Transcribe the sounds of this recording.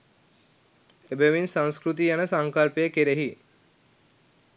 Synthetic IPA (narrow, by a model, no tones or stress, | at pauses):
ebəʋinsãŋskɾut̪̬ijanəsaŋkalpejəkeɾeɦi